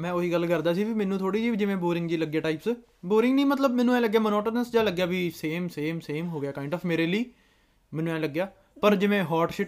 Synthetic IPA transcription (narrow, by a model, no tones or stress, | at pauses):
mɛ̃ːoːɦiːɡəlkəɾd̪aːsiːbiːmɛ̃ːnũːt̪ʰoːɽiːd͡ʒiːd͡ʒɪʋẽːboːɾɪ̃ŋɡd͡ʒiːləɡːjaːʈaːɪːps | boːɾɪ̃ŋɡnĩːmət̪̬ləbmɛ̃ːnːũːɛ̃ːləɡːjaːmənɔːʈənəsd͡ʒaːləɡːjaːbiːseːmseːmseːmɦoːɡɪjaːkaːɪɳɖɔːfmeːɾeːliː | mɛ̃ːnːũːɛ̃ːləɡːjaː | pəɾd͡ʒɪʋẽːɦɔːɾʈʃɪʈ